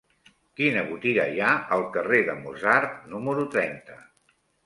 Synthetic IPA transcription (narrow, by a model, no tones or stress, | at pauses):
kinəβut̪iɣə̰jaəlˠkəreðəmuzart̪numəɾut̪ɾɛnt̪ə